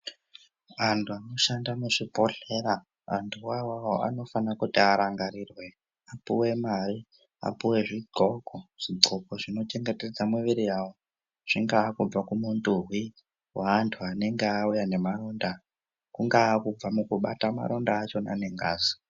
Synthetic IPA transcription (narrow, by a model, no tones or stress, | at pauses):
antʰuano̞ʃandamuʐibʱo̞ɬe̞ɾa | a̰ntʰuwawawoa̰no̞fanakutiaɾaŋɡaɾirwe̞ | apuwe̞mari | a̰puwe̞ʐiɡ͡ǀʱo̞koʐ̥iɡ͡ǀʱokoʐino̞t͡ʃe̞ŋɡete̞d͡zamuʋiɾijawo | ʐ̥iŋɡaːkub͡vakumunduɦwi | waːntʰuane̞ŋɡeaujane̞maro̞nda | kuŋɡaːkub͡vamukuɓatama̰ɾondaːt͡ʃo̞na̰ne̞ŋɡa̰ːzi̥